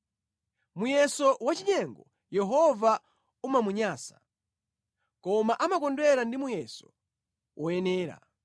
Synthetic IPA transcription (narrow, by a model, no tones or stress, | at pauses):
mujɛsɔwat͡ʃiɲɛŋɡɔ | jɛɦɔva | umamuɲaːsḁ | kɔmaʔamakɔndwɛɾandimujɛsɔ̥ | wʔɔjɛnɛːɾa̰